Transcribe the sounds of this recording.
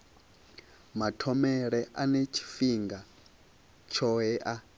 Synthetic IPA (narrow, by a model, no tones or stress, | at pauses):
matʰɔmɛɺɛʔanet͡ʃʰi̥fiŋɡa | t͡ʃʰɔɦɛʔa